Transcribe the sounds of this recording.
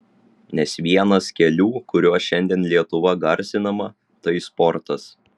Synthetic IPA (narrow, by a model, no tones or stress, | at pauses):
nʲɛsʋʲiɛnɐskʲɛlʲuːkʊɾʲuɔsʃʲɛnʲd̪ʲiɛnlʲiɛt̪ʊʋɐɡɐɾʲˑsʲɪnɐmɐ | t̪ɐɪspɔɾt̪ɐs